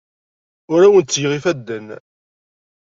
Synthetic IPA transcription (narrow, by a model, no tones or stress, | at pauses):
ʊɾæwənt̪t͡sːjʁifæd̪ːən